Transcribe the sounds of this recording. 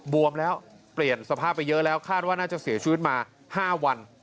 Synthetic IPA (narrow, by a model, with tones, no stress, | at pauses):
bu˧əmlɛː˦˥w | pli˨˩ənsa˧pʰaː˥˩pːa˧jːɤ˦˥ʔlɛː˦˥wkʰaː˥˩t̪̚waː˥˩naː˥˩t͡ɕa˨˩si˨˩˦t͡ɕʰɯː˦˥˩t̪̚maː˧ | haː˥˩wa˧n